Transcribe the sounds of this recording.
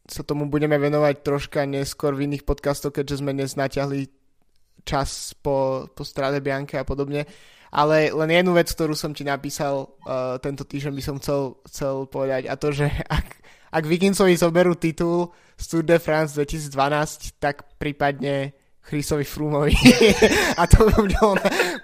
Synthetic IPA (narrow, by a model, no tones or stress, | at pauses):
sat̪ɔmubuɟɛmɛʋɛnɔʋac̚t̪ɾɔʃkaɲɛskʊɔɾvinːiːxpɔt̪kast̪ɔwkɛɟʒɛzmɛɲɛznacɪaɦli | t͡ʃaspɔpɔst̪ɾad̪ɛbɪaŋkɛapɔd̪ɔbɲɛ | ʔa̰lɛlɛnjɛd̪nuʋɛt͡sk̚t̪ɔɾuːsɔmcinapiːsalt̪ɛnt̪ɔt̪iːʒɟɛɲbisɔmxt͡sɛlxt͡sɛlpɔʋɛd̪aɟa̰t̪ɔʒɛak | ʔaɡʋik̬int͡sɔʋizɔbɛɾuːt̪it̪ul | st̪uɾd̪ɛfɾanzd̪ʋɛcisiːd͡zd̪ʋanaːsct̪akpɾiːpad̪ɲɛ | xɾisɔʋifɾuːmɔʋi | at̪ɔbbuɟɛlɔna